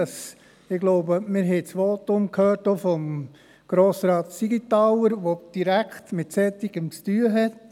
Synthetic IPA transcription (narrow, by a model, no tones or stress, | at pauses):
ɑs | ɪɡ̥loʊbəmɪɾɦɛɪt͡sʋoːt̪ʊmkʰhøːɾtofɔm | ɡ̥ɾoːsɾɑːt̪siɡit̪ɑwəɾʋod̥iɾækχtmɪtsɛt̪ːiɡ̥əmt͡styːəɦɛt